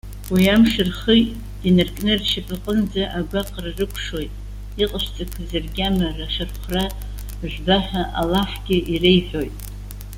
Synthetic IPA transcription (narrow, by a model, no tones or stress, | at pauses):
wiamʂɨrχijtʼ | dinɨrkʼnɨrʃɪpʼaqʼənd͡zaʔaɡʷaqʼrarɨkʷʰʂo̞jtʼ | iqʼəʃʷt͡sʼakʷʰzarɡʲamaraʃɨrχʷra | ʒᶣʷbaħaʔa̰laħɡʲɪʔirejħʷᶣo̞jtʼ